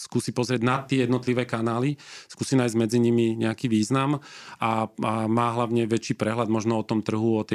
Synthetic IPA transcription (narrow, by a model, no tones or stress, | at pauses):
skuːsipɔzɾɪɛɟnat̪ːɪɛjɛd̪nɔt̪liʋɛːkanaːliskuːsinaːjzɟmɛd͡ziɲimiɲɛakiːʋiːznamamaːɦlaʊɲɛʋɛt͡ʃiːpɾɛɦlad̪mɔʒnɔɔt̪ɔmt̪r̩ɦuɔt̪ɛ